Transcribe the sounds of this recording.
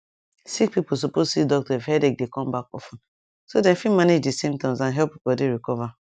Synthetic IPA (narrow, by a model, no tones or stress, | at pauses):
sikpipos̬opozsidɔk̚tɔfhɛdek̚dekɔ̃mbakɔfɔn | sodɛ̃nfimaned͡ʒdisẽmtɔ̃mzãnɦɛpipdeɾikɔva